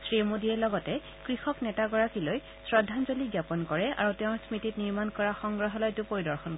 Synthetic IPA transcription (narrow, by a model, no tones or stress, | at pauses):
sɹimodiɛlɔɡɔtɛ | kɹixɔknɛtaɡɔɹakiloj | sɹɔdʱːanzoliɡjapɔnkɔɹɛa̰ɹutɛʊ̃ɹsmititniɹmankɔɹaxɔŋɡɹaɦɔlɔetuʊpoɹidɔɹxɔnk